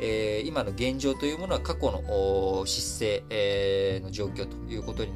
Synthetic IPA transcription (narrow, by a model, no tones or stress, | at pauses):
eːimano̞ɡẽ̞ɲ̟d͡ʑo̞ːt̪o̞jɯ̟ːmo̞no̞βakako̞no̞̰ʔːɕisːe̞ː | no̞ʑo̞ːkʲo̞ːt̪o̥jɯ̟ːko̞t̪o̞ɲ̟i